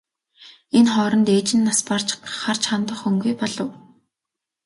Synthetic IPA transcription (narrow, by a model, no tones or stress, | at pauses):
enχɔːɾɞ̆nt̪eːt͡ɕɪ̆nːaspar̥t͡ɕχar̥t͡ɕχant̪ə̆χɵŋɡujpɔɮɞ̆w